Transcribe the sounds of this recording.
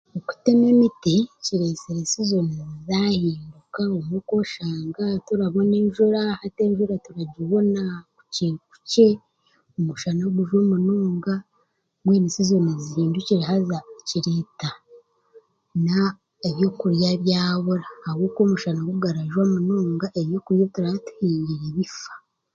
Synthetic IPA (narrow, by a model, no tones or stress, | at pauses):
oku̥teme̞miticiɾe̞seɾesizonuzizahiːndukaomwuko̞ʃaːŋɡatuɾaβo̞ne̞ːɲʒuɾahate̞ːɲʒuɾatuɾaɟiβo̞naku̥ciku̥ce̞ | omuʃanaɡuʒomunuːŋɡa | mweːmisizonezihiːnduciɾiɦazaciɾita | na | eβjo̞kuɾjaβjaːβuɾahːwoːkoːmuʃanaɡuɡaɾaʒwamunuːŋɡaʔeβjo̞kuɾjatuɾahatu̥hiːɲɟiɾeβifḁ